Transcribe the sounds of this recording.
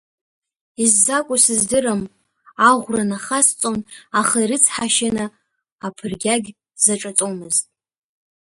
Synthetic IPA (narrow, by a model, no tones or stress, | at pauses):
izːakʷʼʊsɨzdɨrɨm | aʁʷranaχast͡sʼonaχaiɾɨt͡sʰħaʃanɨ | apʰɨrɡʲaɡʲ | zaʈ͡ʂʼat͡sʼomɨztʼ